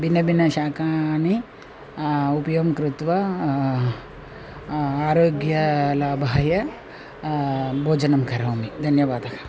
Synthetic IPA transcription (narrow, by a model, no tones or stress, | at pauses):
binɐbinɐʃaːkaːni | upɐjoːmkɾut̪ʋɐ | aːɾoːɡjɐlaːbʱaːjɐ | bʱoːd͡ʒɐnɐmkʰɐɾɐwmid̪ʱɐnjɐʋaːd̪ɐkɐ